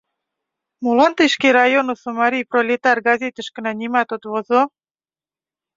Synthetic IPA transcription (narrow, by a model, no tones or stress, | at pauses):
molɑnt̪əʃkeɾɑjonusomɑɾʲijprolʲet̪ɑrɡɑzʲet̪ə̆ʃkənɑnʲimɑt̪ot̪βozo